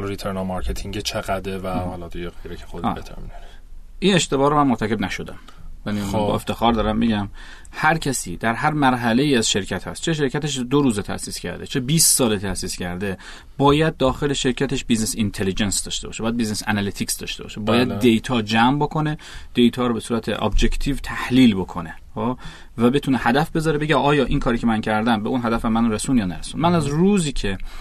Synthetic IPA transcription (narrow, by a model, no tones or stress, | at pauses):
lɾit̪ʰeɾnɒmɑɾcʰet̪ʰiŋɟet͡ʃʰeɣæd̪evæɒlɒd̪ijeɣejɾecʰexod̪̰et̪ʰæ̰mid̪un | ʔiːne̞ʃt̪e̞bɒːɾomænmoɾt̪ʰæce̞bnæʃod̪æ̰m | jænibɒ̰eft̪e̞xɒːɾd̪ɒɾæmbeɟæm | hæɾcʰæsiːd̪̥æɾɦæɾmæɾɦæle̞jiːæzʃe̞ɾcʰæt̪hæ̰st̪t͡ʃʰe̞ʃ̬eɾcʰæt̪eʃd̪oɾuːzet̪ʰæ̰ʔsiːscʰæ̰ɾd̪ḛt͡ʃʰe̞biːssɒːlet̪ʰæsiːscʰæɾd̪e̞ | b̥ɒːjæd̪̚ːɒːxe̞le̞ʃe̞ɾcʰæt̪ʰe̞ʃbiznesint̪ʰelid͡ʒensd̪ɒːʃt̪e̞bɒːʃebɒːjæd̪biznesæ̰nælet̪ʰiksd̪ɒ̰ːʃt̪e̞bɒ̰ːʃebɒːjæd̪̚ːejt̪ʰɒːd͡ʒæmbokʰo̞ne | d̪̥e̞jt̪ʰɒːɾɔːbe̞suːɾæt̪ʰḛʔɒ̰bd͡ʒe̞ct̪ʰiːvt̪ʰæhliːlbo̞kʰo̞ne̞ | ho | væbe̞t̪ʰuːnehæd̪æfbe̞zɒːɾebeɟæɒːjɒːʔinkʰɒːɾiːcʰemæncʰæɾd̪æmbeunɦæd̪æfæmænɾesunjɒːnæɾesunmænæzruːziːcʰe̞